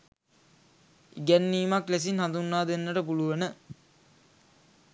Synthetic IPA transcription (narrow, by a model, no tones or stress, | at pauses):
iɡɛnːiːmakles̬inhand̪unːaːd̪enːəʈəpuluʋənə